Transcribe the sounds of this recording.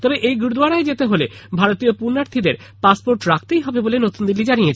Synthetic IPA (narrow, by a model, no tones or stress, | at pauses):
t̪ɔbeʔejɡuɾd̪waɽaed͡ʑet̪eɦolebʱaɾot̪iopuɾnaɾt̪ʰid̪eɾ | paspoɾʈɾak̚ʰt̪ejɦɔbebolenot̪und̪ilːid͡ʑanijet͡ɕʰ